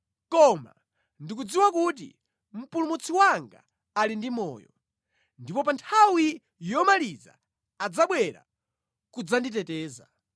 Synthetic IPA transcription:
kɔma̰ | ndik̬ud͡ziwakut̬ḭ | m̩pulumut͡sʰiwaŋɡa̰ | alindimɔ̰ːjɔ | ndipɔpantʰawi | jɔmaliza̰ | ad͡zaɓwɛɾa̰ | kud͡zanditɛtɛːza̰

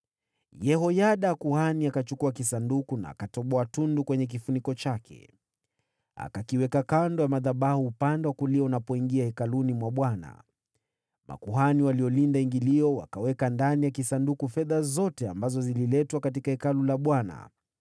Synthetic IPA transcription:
jɛɦɔjaɗaːkuhaniakat͡ʃukuakisandukuna̰ːkatɔɓɔatundukwɛɲɛk̬ifunikɔt͡ʃakʰɛ̰ | a̰kakiwɛkakandɔjamaðaɓahuːpandɛwakuliɔunapɔiŋɡiahɛkalunimwaɓwana̰ | mʔa̰kuɦaniwaliɔlindaiŋɡiliɔwa̰kawɛkandanijakisandukufɛðazɔtɛambazɔzililɛtwakatikahɛkalulaɓwana̰

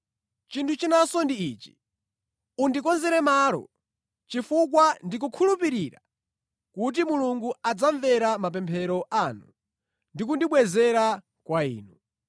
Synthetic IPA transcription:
t͡ʃintʰut͡ʃinasɔndiiːt͡ʃi̥ | undikɔnzɛɾɛmalɔ̰ | t͡ʃifuk̬wandik̬ukʰulupiɾiɾa̰ | kut̬imuluŋɡuad͡zaɱvɛɾamap̬ɛmpʰɛɾɔʔanṵ | ndik̬undiɓwɛzɛɾa | kwaḭːnu

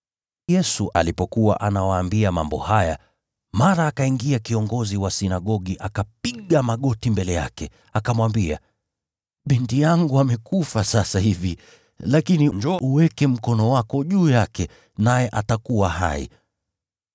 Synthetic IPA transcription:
jɛsuʔa̰lipɔkuwa̰ʔanawaːmbiama̰mbɔ̰haja̰ | maɾaːkaiŋɡiakiɔŋɡɔziwasinaɠɔɠiʔakap̚iɠamaɠɔtimbɛlɛja̰kɛ | akamwambia̰ | ɓintijaŋɡuamɛkufasasahivi | lakinind͡ʒɔʔuwɛkɛm̩kɔnɔwakɔʄuːjakɛ | najɛʔatakuwaɦa̰ḭ

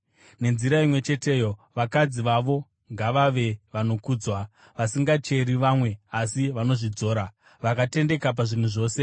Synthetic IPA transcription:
ne̞nziɾaimwe̞t͡ʃe̞te̞ːjo̞ʋakad͡ziʋaʋo̞ | ŋɡaʋaʋe̞ʋano̞kuːd͡zwa | ʋasiŋɡat͡ʃe̞ɾiʋamwe̞asiʋano̞ʐid͡zo̞ːɾa | ʋakate̞nde̞kap̬aʐin̤uʐo̞ːse̞

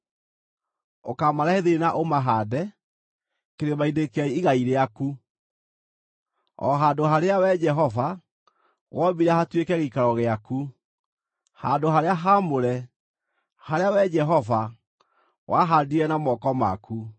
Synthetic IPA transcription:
okamaɾaheðenaʔomaɦaːdɛ | keɾemaindekɛiiɣaiɾeaku | ɔ̰ɦaːndoɦaɾeawɛd͡ʒɛɦɔva | ɣwʔɔbiɾahatwekɛɣekaɾɔɣeaku | handoɦaɾeaɦamoɾɛ | haɾeawɛd͡ʒɛɦɔva | waɦandiɾɛnamɔkɔma̰ku

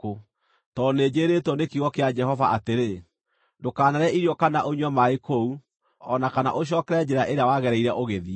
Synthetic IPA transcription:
o | tɔned͡ʒeːɾetwɔnekiɣɔkead͡ʒɛɦɔvaʔateɾe | dokaːnaɾɛʔiɾjɔkanaʔoɲwɔmaekou | ɔnakana̰ʔoɕ̬jɔːkɛɾɛd͡ʒɛɾaʔeɾeawaɣɛɾɛiɾɛʔoɣeði

